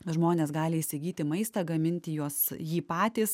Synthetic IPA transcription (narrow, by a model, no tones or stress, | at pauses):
ʒmoːnʲeːsɡɑːlʲɪiʃʲsʲɪɡʲiːt̪ʲɪmɐɪst̪ɐɡɐmʲɪnʲt̪ʲɪjuɔsjiːpɑːt̪ʲiːs